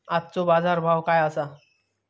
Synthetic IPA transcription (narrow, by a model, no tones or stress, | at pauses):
at̚ːt͡sobad͡zaɾbʱawkajasa